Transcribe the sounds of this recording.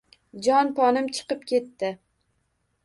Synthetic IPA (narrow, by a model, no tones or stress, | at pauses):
d͡ʒɒnpʰɒnɪmt͡ʃʰɨ̥qɨpkʲʰe̞t̪ːɪ